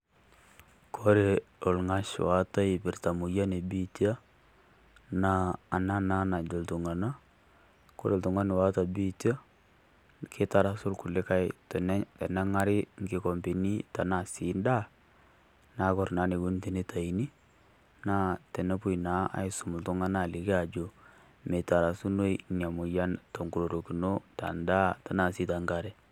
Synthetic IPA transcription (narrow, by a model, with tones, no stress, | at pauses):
kʰɔ˦ɾe˨ɔ˨lŋa˦ʃwa˨ta˦ɪ˨bɪ˨rta˨mu˨ja˦ne˨bi˦ta˦ | naː˦˨na˦na˦na˨d͡ʒo˨ltu˨ŋa˨na˦ | ko˦ɾe˨ltu˨ŋa˦nɪ˨wa˦ta˨bi˦ta˦ | kʰɪ˦ta˨ɾa˨˦sʊ˦lku˨lɪ˦ka˦jtɛ˨nɛ˦tɛ˨nɛ˦ŋa˦ɾɪ˦ŋɡɪ˦kɔ˨mbi˨ni˦ta˨na˨si˨nda˦ | na˨˦kɔ˨ɾna˦nɪ˨ɡu˦n˦te˨ne˦tʰa˨i˨ni˦ | na˦tɛ˨nɛ˦pu˦i˨na˨˦a̰˨ɪ˦sʊ˨mʊ˨ltʊ˦ŋa˦na˨lɪ˨kɛ˦a˨d͡ʒo˨ | me˨ta˨ɾa˨su˦no˦inja˨mʊ˨ja˦ntɔ˨ŋɡu˨ɾo˨ɾo˨ki˨no˦ta̰˨nda˦ta˨na˨si˦ta˨ŋɡa˨ɾɛ˦